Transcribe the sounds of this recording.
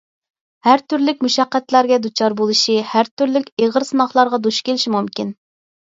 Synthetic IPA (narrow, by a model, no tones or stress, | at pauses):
hæɾt̪yɾlɪk̚ʲmuʃɑqːɛt̪læɾɡʲɛd̪ut͡ʃʰɑɾbolˠuʃihæɾt̪ʰyɾlɪkʲeʁəɾsɨnɑχlˠɑɾʁɑd̪uʃkʲelɪʃimumkʲin